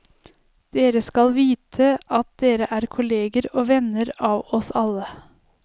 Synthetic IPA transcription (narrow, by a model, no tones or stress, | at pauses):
d̪̥eːɾəskɑlʋiːt̪ʰəʔɑt̪̚d̪eːɾəʔæːɾkʰʊleːɡəɾoːʋɛnəɾɑːʋɔsɑlːə